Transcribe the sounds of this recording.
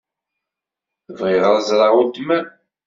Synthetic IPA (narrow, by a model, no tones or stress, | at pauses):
θəvʁɪʁəɾˤzɾˤɑʁud̪mæn